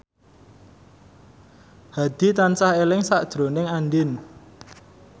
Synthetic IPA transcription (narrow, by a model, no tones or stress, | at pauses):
had̪̥i̤t̪ansahelɪŋsaʔd̥ʒ̥ɾo̤nɪŋanɖɪn